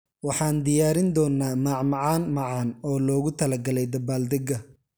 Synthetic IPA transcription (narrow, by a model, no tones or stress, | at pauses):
wɑħɑːnd̪ɪjaːɾɪnd̪ɔːnːaːmaːʕmɑʕɑːnmɑʕɑːnɔːlɔːɣʊt̪ʰɐlɐɡɐlɛjd̪ɐbaːld̪ɛɡɐ